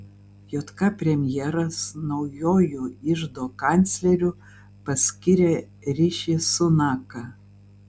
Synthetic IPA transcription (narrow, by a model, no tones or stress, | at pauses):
joːt̪kɑpʲɾʲɛmʲjɛːɾɐsnɒʊjoːjuɪʒd̪oːkɑnʲt̪sʲlʲɛɾʲʊ | pɐsʲkʲɪɾʲe | ɾʲɪʃʲesʊnɑːkɐ